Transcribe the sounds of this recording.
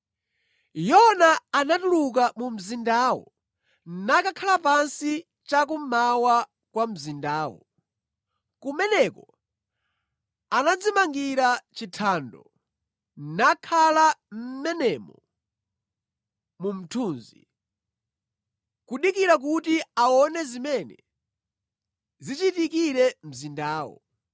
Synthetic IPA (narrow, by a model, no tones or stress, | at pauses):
jɔnaːnatuluk̬amum̩zindaːwɔ̰ | nnakakʰalapansi | t͡ʃak̬umawa | kwam̩zindaːwɔ̰ | kumɛnɛkɔ | anad͡zimaŋɡiɾat͡ʃitʰaːndɔ | nakʰalam̩mɛnɛmɔ | mum̩tʰuːnzḭ | kuɗikiɾak̬utiaɔnɛzimɛnɛ | zit͡ʃitikiɾɛm̩zindaːwɔ̰